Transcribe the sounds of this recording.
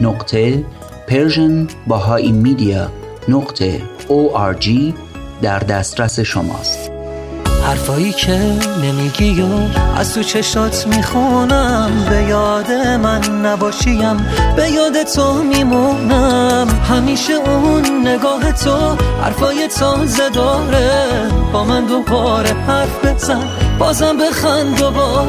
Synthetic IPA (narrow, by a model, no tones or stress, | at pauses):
noqt̪ʰe | pʰeɾʒonbɒɦɒʔimid̪iɑ | noqt̪ʰḛ | oʔæɾd͡ʒiː | d̪æɾd̪æst̪ɾæse̞ʃo̰mɒ̰ːst̪ | hæɾfɒːiːcʰenemiːɟijoʔæ̰zt̪ʰut͡ʃʰeʃɔːt̪ʰmiːxunæmbe̞jɒːd̪e̞mænːæbɒːʃijæmbe̞jɒːd̪et̪ʰomiːmunæmhæmiːʃeunːe̞ɡɒːɦe̞t̪ʰohæ̰ɾfɒːje̞t̪ʰɔzed̪ɒːɾeb̥ɒːmænd̪o̞bɒɾepæɾfbe̞zænbɒːzæmbe̞xænd̪obɒɾ